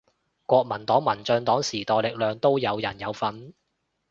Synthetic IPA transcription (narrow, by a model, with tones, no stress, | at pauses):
kʷɔː˧k̚mɐ˨˩nt̪ɔː˨˥ŋmɐ˨˩nt͡sœː˧nt̪ɔː˨˥ŋsiː˨˩t̪ɔː˨˩jlɪ˨k̚lœː˨ŋt̪o˥wjɐ˨˧wjɐ˨˩njɐ˨˧wfɐ˨˧n